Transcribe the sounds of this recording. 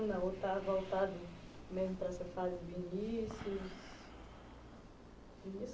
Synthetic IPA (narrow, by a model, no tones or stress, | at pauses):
naɦot̪avawt̪ad̪imenit̪ɾasafalibinisi | binis